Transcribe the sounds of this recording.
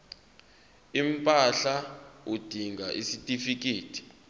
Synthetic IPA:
impʼaɬaud̥ʱiŋɡʱaʔisitʼifik̬ʼeːtʰi̥

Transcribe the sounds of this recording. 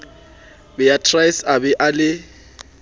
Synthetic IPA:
bɛjatʰrajsabɛʔalɪ

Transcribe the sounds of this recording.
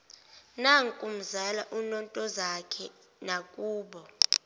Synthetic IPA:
naŋkʼum̩zalaʔunɔntʼɔzakʰɛ | nakʼuːɓɔ

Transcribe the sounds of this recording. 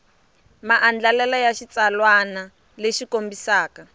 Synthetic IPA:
maʔand͡ɮalɛlajaʃit͡salwana | leʃikombisaːka

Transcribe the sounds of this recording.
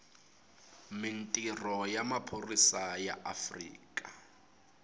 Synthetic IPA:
mɪn̩tʼirɔjamapʰorisaja̰ʔafrḭːkʼa

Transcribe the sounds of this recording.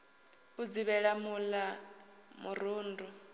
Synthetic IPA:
ud͡ziβɛɺamula | muɾuːndu

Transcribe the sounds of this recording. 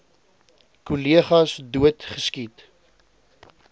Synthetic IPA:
kuliəχɐsduətχəskit

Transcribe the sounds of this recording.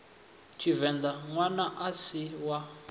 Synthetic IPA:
t͡ʃʰivɛnd̪aŋwanaʔasiwa

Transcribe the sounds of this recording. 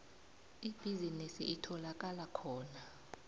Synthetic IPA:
ib̥ʱizinisḭʔitʰɔlak̬ʼalakʰɔːna

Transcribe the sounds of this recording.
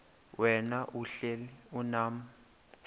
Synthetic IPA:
wɛnaʔuɬeliunaːm̩

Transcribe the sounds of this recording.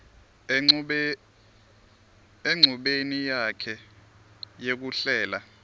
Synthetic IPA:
eŋ͡ǀʱuɓenijakʰɛ | jek̬uɬɛːla

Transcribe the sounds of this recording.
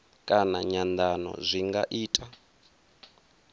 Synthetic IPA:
kʼanaɲand̪anɔ̰zʷiŋɡaʔiːtʼa

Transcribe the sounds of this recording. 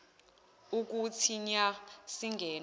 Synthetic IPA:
uk̬ʼutʰiɲasiŋɡʱɛːn

